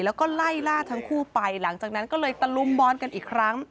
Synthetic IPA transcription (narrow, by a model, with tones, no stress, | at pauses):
lɛː˦˥wkɔː˥˩la˥˩jlaː˥˩t̪ʰa˦˥ŋkʰuː˥˩pa˧jla˩˦ŋt͡ɕaː˨˩k̚na˦˥nkɔː˥˩lɤː˧jt̪a˧lu˧mbɔː˧nka˧nʔiː˨˩kʰɾa˦˥ŋ